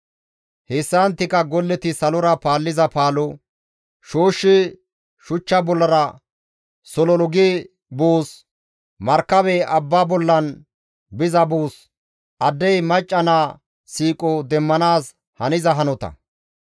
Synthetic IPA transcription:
hesːɐnt̪ːɪkːɐɡɔlːɛt̪ɪsɐlɔɾɐpaːlːɪzɐpaːlɔ | ʃoːʃːɪ | ʃʊt͡ʃːɐbɔlːɐɾɐ | sɔlɔlɔɡe | boːs | mɐɾkːɐbɛɐbːaːbɔlːɐn | bɪzɐbuːs | ʔɐd̪ːɛjmɐt͡ʃʼːɐnaː | siːkʼɔd̪ɛmːɐnaːs | hɐnɪzɐɦɐnɔt̪ɐ̰

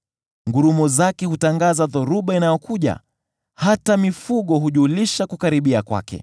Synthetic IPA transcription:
ŋɡuɾumɔzakɛhutaŋɡazaðɔɾuɓainajɔkuʄa̰ | hatamifuɠɔɦuʄuːliʃakukaɾiɓiakwa̰kɛ̰

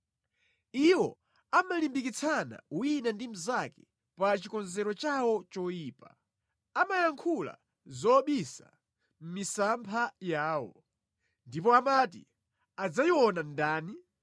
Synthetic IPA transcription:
iwɔ | amalimbikit͡sʰana̰winandim̩zakɛ̥ | pat͡ʃikɔnzɛɾɔt͡ʃawɔt͡ʃɔjiːpa | amajaŋkʰula̰ | zɔɓisa̰ | m̩misampʰajaːwɔ̰ | ndip̬ɔamatḭ | ad͡zajiwɔnandaːni

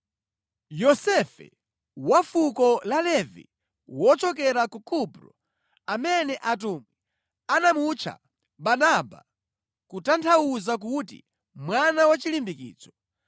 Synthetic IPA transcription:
jɔsɛfɛ̰ | wafukɔlalɛvḭ | wɔt͡ʃɔk̬ɛɾakukupɾɔ̰ | amɛnɛʔat̬umwi | anamut͡ʃʰa̰ | ɓanaba̰ | kutantʰawuzak̬utḭ | mwanawat͡ʃilimbikḭːt͡sɔ̥

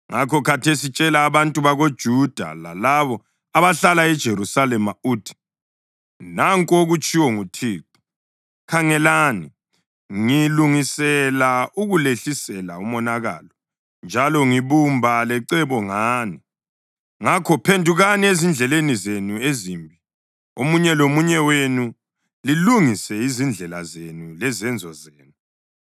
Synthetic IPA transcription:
ŋakʰɔkʰatʰesit͡ʃʼɛlaːβantʼuβaɣod̥ʒ̥ʱud̥ʱa̰la̰laβɔ | aβaɬalaɛd̥ʒ̥ʱeɾusalɛmauːtʰi̥ | naŋkʼoɣut͡ʃʼiwɔŋutʰiːǁu̥ | kʰaŋɛlani | ŋiluŋisɛlauɣuleɬisɛlaumɔnaɣa̰lɔ | nd͡ʒʱalɔŋiβumbʱalɛǀɛβɔŋaːni | ŋakʰɔpʰendʱuɣaniezind͡ɮʱɛlenizenuezimbʱi | omuɲɛlomuɲɛwenu | liluŋisɛizind͡ɮʱɛla̰zenulɛzɛnd͡zʱɔzeːnu

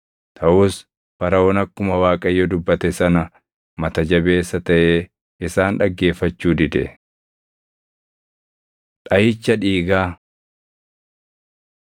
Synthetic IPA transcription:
t̪ʰɐʔuːs | fɐɾɐɔnɐkːʊmɐwaːkʼɐjːɔd̪ʊbːɐt̪ɛsɐnɐ | mɐt̪ɐd͡ʒɐbe̞ːsːɐt̪ɐʔeː | ʔɪsaːnᶑɐɡːe̞ːfːɐt͡ʃːuːd̪ɪd̪ɛ̰ | ᶑ̪ʼɐjɪt͡ʃːɐᶑiːɡaː

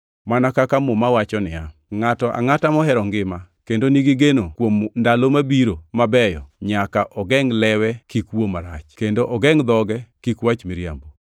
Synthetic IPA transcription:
manakakamomawat͡ʃɔnɪaŋatɔʔa̰ŋatamɔɦɛɾɔŋɡɪmakendoniɡɪɡenokwomndalomabiɾomabɛjɔɲakaʔɔɡɛŋlɛwɛkikwomaɾa̰t͡ʃkendoʔɔɡɛŋd̪ɔɡɛkikwat͡ʃmɪɾja̰mbo

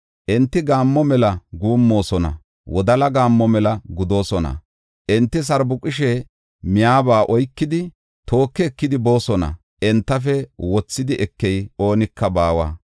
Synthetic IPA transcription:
ʔɛnt̪ːɪɡaːmːɔmɛlɐɡuːmːo̞ːsɔnɐ̰ | wɔd̪ɐlɐɡaːmːɔmɛlɐɡʊd̪o̞ːsɔnɐ̰ | ʔɛnt̪ːɪs̬ɐɾbʊkʼːɪʃɛ | mɪjaːbaːʔɔjkːɪd̪ɪ | t̪o̞ːkːɛːkːɪd̪ɪbo̞ːsɔnɐ̰ | ʔɛnt̪ːɐfɛwɔt͡sːɪd̪ɪʔɛkːɛjo̞ːnɪkːɐbaːwa̰ː

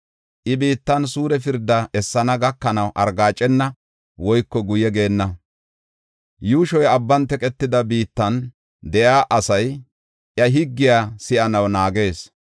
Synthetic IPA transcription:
ʔɪbiːt̪ːɐnsuːɾɛfɪɾd̪ːɐʔɛsːɐnɐɡɐkːɐnɐwʔɐɾɡaːt͡ʃʼːɛnːɐ | wɔjkːɔɡʊjɛɡe̞ːnːɐ | juːʃɔjɐbːɐnt̪ɛkʼɛt̪ːɪd̪ɐbiːt̪ːɐn | d̪ɛjaːʔɐsɐj | ʔjɐɦɪɡːɪjaːsɪʔɐnɐwnaːɡe̞ːs

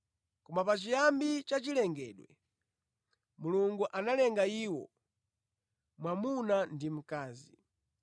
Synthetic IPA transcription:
kɔmapat͡ʃijambit͡ʃat͡ʃilɛŋɡɛːɗwɛ̰ | muluŋɡuʔanalɛŋɡaiːwɔ̰ | mwamunandim̩kaːzi

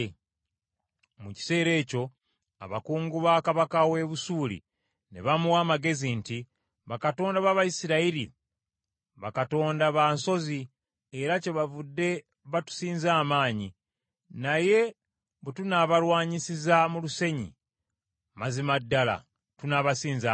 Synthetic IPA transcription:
muci̥se̞ːɾe̞ːco̞ | a̰βa̰kuːŋɡuβaːkaβakawe̞βusuːlḭ | nḛβamuwaːmaɡe̞zinti | βakato̞ːndaβaβajisiɾaiɾḭ | βakato̞ːndaβanso̞zi | eɾace̞βavudːe̞ | βatu̥siːnzaːmaːɲi | naje̞ | βetunaβalwaːɲisizamuluse̞ɲḭ | mazimadːala̰ | tunaβasiːnza

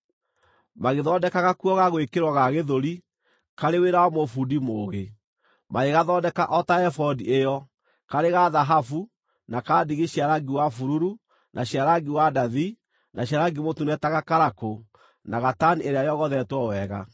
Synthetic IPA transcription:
maɣeðɔdɛkaɣakuɔɣaɣoekeɾwaɣaɣeðoɾi | kaɾeweɾawamofudimoːɣe | maeɣaðɔdɛkaʔɔtaɛfɔdiejɔ | kaɾeɣaðaɦafu | nakadiɣiɕiaɾaɡiwafuɾuɾu | nʔaɕiaɾaɡiwadaði | naɕiaɾaɡimotunɛtaɣakaɾako | naɣatanieɾeajɔɣɔðɛtwɔwɛɣa̰

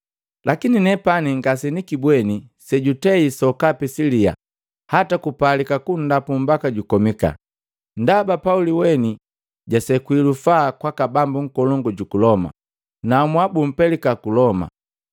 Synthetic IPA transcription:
lakininɛpaniŋɡasɛnikibwɛnisɛɟutɛisɔkapisilia̰ | hatakupalikakun̩dapum̩bakaɟukɔmika̰ | ndabapauliwɛni | ɟasɛkwilufaːkwakabambuŋ̩kɔlɔŋɡɔɟukulɔma̰ | namwabum̩pɛlikakulɔma̰

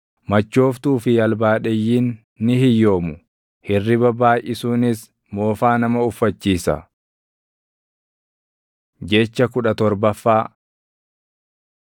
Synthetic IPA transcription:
mɐt͡ʃːo̞ːft̪uːfɪjɐlbaːᶑɛjːiːnː | ɪhɪjːo̞ːmʊ | hɪrːɪbɐbaːjʔɪsuːnɪs | mo̞ːfaːnɐmɐʊfːɐt͡ʃːiːsɐ̰ | d͡ʒɛt͡ʃːɐkʊᶑɐt̪ɔɾbɐfːaː

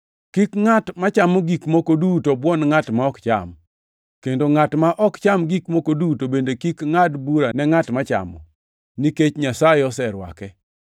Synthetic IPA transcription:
kikŋatmat͡ʃamɔɡikmokodutobwɔnŋatmaɔkt͡ʃa̰m | kendoŋatmaʔɔkt͡ʃamɡikmokodutobendekikŋadbuɾanɛŋatmat͡ʃa̰mɔ̰ | niket͡ʃɲasajɪeɔsɛɾwa̰kɛ

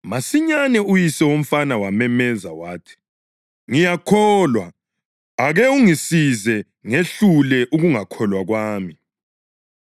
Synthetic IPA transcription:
masiɲanɛujisɛwom̩fanawamɛmɛza̰waːtʰi̥ | ŋijakʰɔːlwa | aɣɛuŋisizɛ | ŋeɬulɛʔuɣuŋakʰɔlwaɣwaːmi

